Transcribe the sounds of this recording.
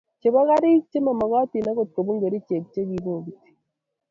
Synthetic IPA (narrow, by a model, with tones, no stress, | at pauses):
t͡ʃe˨βa˦ɣa˦ɾi˦k̚t͡ʃe˦ma˨ma˨ɣɔ˦ti˨na˦ɣo˨t̚ko˨bu˦ŋɡe˨ɾi˦t͡ʃe˨k̚t͡ʃe˦ɣi˨bo˦˨ɡi˨ti̥˨